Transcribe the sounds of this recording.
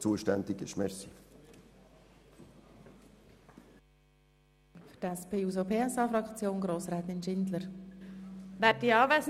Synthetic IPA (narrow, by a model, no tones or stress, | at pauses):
t͡suəʃtɛndiɡɪʃmɛsi | fʏtɛspʰeːuːzopʰeːɛsɑːfɾɑkt͡sjoːnɡɾoːsɾɛːt̪ɪnʃɪndləɾ | ʋɛːt̚iɑːvɛːs